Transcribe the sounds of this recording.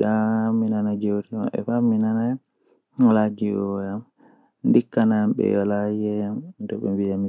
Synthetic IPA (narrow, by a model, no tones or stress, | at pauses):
ɗaminanad͡ʒɛwtima̰ɓɛ̰faminana | ŋɔlad͡ʒiɔjam | ndikːanaɓɛ̰jɔlad͡ʒɛndɔɓɛ̰mbijami